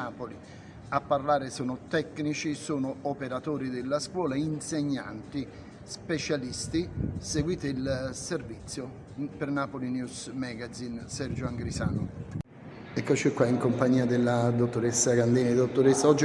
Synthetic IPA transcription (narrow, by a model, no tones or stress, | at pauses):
aːpoli | apːarlaːɾɪsɔːnʊt̪ɛkːnit͡ʃisuːnʊɔpeɾat̪ɔːɾid̪ɪlːaskwɔːlainseɲːa̰nt̪i | spet͡ʃalist̪iseɡwiːt̪ilservit̪sːjʊ | pɪrnapolinjusmɛɡazinsɛrd͡ʒʊaŋɡɾisa̰ːnʊ | ɛkːot͡ʃɛkːwaiŋkompaɲːiːad̪ɪlːad̪ot̪ːoɾesːakand̪iːnid̪ot̪ːʊɾesːaɔd͡ʒː